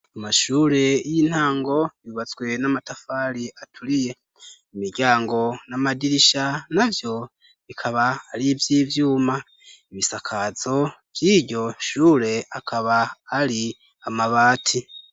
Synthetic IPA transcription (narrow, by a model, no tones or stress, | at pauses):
amaʃuːɾe̞jin̥haːŋɡo̞βiβat͡sɡwe̞namatafaːɾiatʰuɾije̞ | imiɾɟaːŋɡo̞namadiɾiʃanavjo̞ | βikʰaβaːɾivjiːvjuːma | iβisakʰaz̥o̞v̥jiɾɟo̞ʃuːɾe̞akʰaβaːɾi | amaβaːtʰi